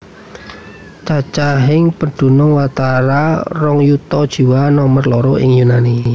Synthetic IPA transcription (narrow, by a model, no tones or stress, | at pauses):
t͡ʃat͡ʃaɦɪŋpənɖ̪̥ṳnɔŋwat̪aɾarɔŋjut̪ɔd̥ʒ̥i̤wanɔmərlɔɾoɪ̰ŋjunani